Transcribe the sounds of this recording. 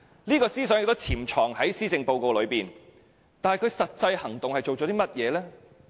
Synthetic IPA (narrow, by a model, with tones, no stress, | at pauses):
liː˥kɔː˧siː˥sœː˨˥ŋɪ˧k̚t̪ːt͡sʰiː˨˩mt͡ʃʰɔː˨˩ŋhɐ˨˥jsiː˥t͡sɪ˧ŋpo˧wko˧wlɵ˨˧ɥpiː˨˩n | t̪aː˨nɐ˨˩jkʰɵ˨˧ɥsɐ˨t̚t͡sɐ˧jhɐ˨˩ŋt̪ʊ˨ŋhɐ˨jt͡ʃo˨wt͡ʃɔ˨˥t̪iː˥mɐ˥t̚jɛː˨˧lɛː˥